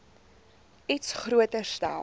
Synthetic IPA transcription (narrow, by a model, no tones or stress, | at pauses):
itsχruətəsta̰l